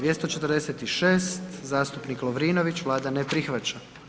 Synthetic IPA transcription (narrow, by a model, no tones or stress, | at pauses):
je̞st̪o̞t͡ʃe̞t̪əɾd̪eset̪iʃe̞ːst̪zaːst̪upniklˠoʋɾiːno̞ʋit͡ɕʋlˠaːd̪anepɾixʋat͡ɕa